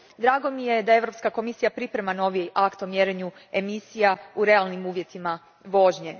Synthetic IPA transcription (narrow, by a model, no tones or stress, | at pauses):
d̪ɾaːɡo̞mije̞d̪ae̞ʋɾo̞pskako̞misijapɾipɾe̞mano̞ʋiʔakt̪o̞mjeɾeɲue̞misijauɾe̞alˠnimuːʋje̞t̪ima | ʋo̞ʒɲe